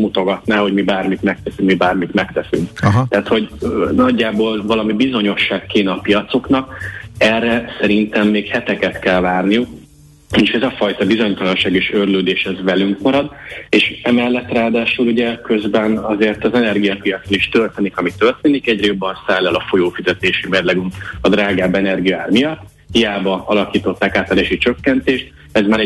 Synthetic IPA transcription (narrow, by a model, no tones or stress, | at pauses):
mut̪o̞ɡɒt̪naːho̞ɟmibaːrmit̪mɛk̚t̪ɛsykmibaːrmit̪mɛkt̪ɛsyŋkɦt̪ɛːt̪ho̞ɟnɒɟːaːboːlvɒlɒmibizo̞ɲo̞ʃːaːkːeːnɛɒpijɒt̪so̞knɒkɛrːɛsɛɾint̪ɛmːeːkhɛt̪ɛkɛt̪kɛlvaːrnijuk | mit͡ʃɛzɒfɒjt̪ɒbizo̞ɲt̪ɒlɒnʃaːɡeːʃørløːd̪eːʃhɛzvɛlyŋkmɒɾɒd̪eːʃɛmɛlːɛt̪raːd̪aːʃuluɟɛkøzbɛnɒzeːrt̪ɒzɛnɛrɡijɒpijɒt̪soniʃt̪ølt̪eːnikɒmit̪ørt̪eːnikɛɟrɛjo̞bːɒnsaːlːɛlɒfo̞joːfizɛt̪eːʃimɛd̪lɛɡymɒd̪raːɡaːbɛnɛrɡijɒaːrmijɒt̪ː | hijaːbɒɒlɒkiːt̪o̞t̪ːakaːt̪ɛɾeːʃit͡ʃø̞kːɛnt̪eːʃt̪ | ɛzmaːɾɛ